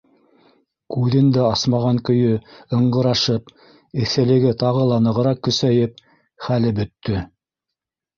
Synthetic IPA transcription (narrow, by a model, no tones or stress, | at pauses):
kʉðɘnd̪æɑsmɑʁɑŋkɵ̆jɵɤ̆ɴɢɤ̆ɾɑʃɤp | ɘ̆θɘ̆lɘ̆ɡɘt̪ɑʁɤlˠɑnɤ̆ʁɤ̆ɾɑqːɵ̆sæjɘp̚ | χælɘbɵ̆t̪ːɵ